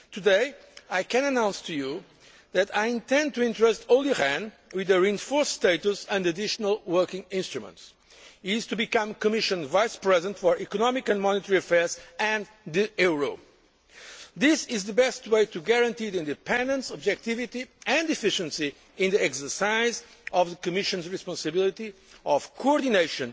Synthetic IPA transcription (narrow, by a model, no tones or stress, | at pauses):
t̪ʰɨdeɪ | ajkɨ̃nənãʊ̃nstʰuju | ðɨtajĩnt̪ɛ̃nd̚t̪uɪ̃ntɹəstʰolˠiɹɛ̃n | wɪðɨɹiɨ̃nfɔɹssteɪt̪usɛ̃ndədɪʃənəlˠwɜ˞kɪ̃ŋɪ̃nst̪ɹumə̰̃nts | ɪz̥t̪ubikʌ̃mkɔmɪʃɨ̃nvaɪjspɹɛzə̃ntfɔɹʔikɔnɔmɪkɨ̃nmɔnɪt̪əɹiɨfɛɹzɨ̃n | ðiɛɹo | ðɪsɪzðɨbɛst̪weɪt̪ʰuɡɛɹɐ̃nt̪iðiĩndɨpɛ̃nd̪ə̃nsɔbd͡ʒɛk̚t̪ivit̪iɨ̃nd̪ifɪʃə̃nsi | ɪ̃nðiɛksə˞saɪzɔvðəkɔmɪʃɨ̃nzɹispɑ̃nsɨbilˠit̪iɔv̥kʰoɔɾd̪ineɪʃɨ̃n